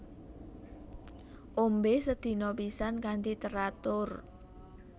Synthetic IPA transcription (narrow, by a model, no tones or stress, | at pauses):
ʔombesəd̪̥i̤nɔpisankant̪it̪əɾat̪ʊr